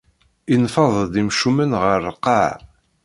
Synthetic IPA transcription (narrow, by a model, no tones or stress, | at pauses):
infɑðˤd̪imʃumənʁəɾqɑʕ